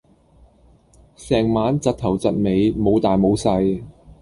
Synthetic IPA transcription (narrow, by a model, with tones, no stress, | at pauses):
sɛː˨˩ŋmaː˨˥nt͡sɐ˨t̚t̪ʰɐ˨˩wt͡sɐ˨t̚me˨˧jmo˨˧wt̪aː˨jmo˨˧wsɐ˧j